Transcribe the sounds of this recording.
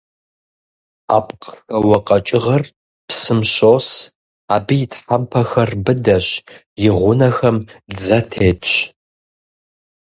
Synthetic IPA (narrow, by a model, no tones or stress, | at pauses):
a̰ːpqxɐwɐqʼɐt͡ʃʼɪʁɐr | psɨmɕoːs | aːbɨjɪtħampʰɐxɐrbɨdɐɕ | jɪʁʷʊnɐxɐmd͡zɐtʰeːtt͡ʃ